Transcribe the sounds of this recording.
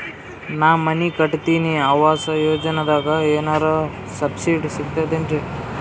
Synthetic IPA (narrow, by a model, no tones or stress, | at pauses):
naːmɐnikɐʈt̪iːniaːʋaːsɐjoːd͡ʒɐnɐd̪aːɡɐeːnaːɾɐ | sɐbsiɖsiɡt̪ad̪eːɳʈe